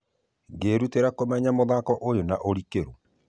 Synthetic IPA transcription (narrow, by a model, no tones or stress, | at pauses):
ŋɡeːɾuteɾakomɛɲamoðakɔʔojonaʔoɾikeɾo